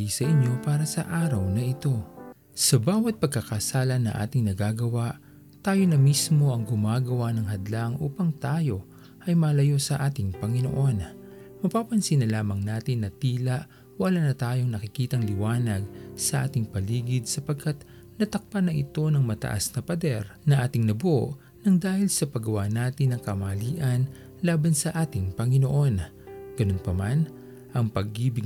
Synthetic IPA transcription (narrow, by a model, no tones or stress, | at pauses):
ijsɐʔɪɲjo̞paːɾɐsɐʔaːɾɐwnɐʔɪt̪o̞ | sɐbaːwɐt̪̚pɐɡ̚kɐkɐsaːlɐnɐ̰ŋʔa̰ːt̪ɪŋnɐɡaːɡɐwaʔ | t̪aːjo̞nɐmismo̞ʔɐŋɡʊmaːɡɐwanɐŋɦɐd̪laŋʔuːpɐŋt̪aːjo̞ | ʔɐjmɐːlɐjo̞sɐʔaːt̪ɪŋpɐŋɪno̰ʔo̞n | mɐpaːpɐnsinɐlaːmɐŋnaːt̪ɪnːɐt̪iːlɐʔ | wɐlanɐt̪aːjo̞ŋnɐkɪkiːt̪ɐŋlɪwaːnɐɡ̚sɐʔaːt̪ɪŋpɐliːɡɪd̪̚sɐpɐɡ̚kʰat̪̚ | nɐt̪ɐk̚panɐʔɪt̪o̞nɐŋmɐt̪ɐ̰ʔa̰snɐpɐd̪ɛɾnɐʔaːt̪ɪŋnɐbʊʔo̰ʔ | nɐŋd̪aːhɪlsɐpɐɡɐwaːnaːt̪ɪnɐŋkɐmɐɐliːʔɐn | laːbɐnsɐʔaːt̪ɪŋpɐŋɪno̞ʔo̞n | ɡ̥ɐno̞npɐman | ʔɐŋpɐɡːiːbɪ